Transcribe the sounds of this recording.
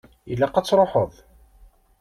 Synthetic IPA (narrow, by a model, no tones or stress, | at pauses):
ilːæqɑt͡sːɾˤoħəðˤ